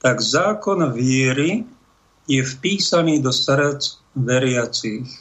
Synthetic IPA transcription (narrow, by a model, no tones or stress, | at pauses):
t̪aɡzaːkɔnʋɪɛɾi | jɛfpiːsaniːd̪ɔsɾt͡s | ʋɛɾɪat͡siːx